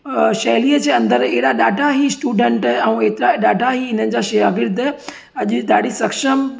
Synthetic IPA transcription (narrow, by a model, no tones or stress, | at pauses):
ʃɐːliːəd͡ʑeːɐ̃nd̪əɾeɦɗaɗaːɖʱaɦisʈuːɖẽːɳʈɛ̃ũeːt̪ɪɾaɗaːɖʱaɦiɦɪn̤ənɪ̆d͡ʑaːʃɐjaːɡɪɾd̪ | ɐʄʊɗaːɖ̤ʱisɐkʃəm